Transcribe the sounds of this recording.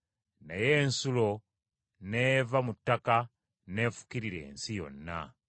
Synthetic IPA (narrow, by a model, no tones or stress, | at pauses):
na̰jeːnsulo̞ | nevamutːaka | ne̞ːfu̥kiɾiɾe̞̰ːnsijo̞̰nːa̰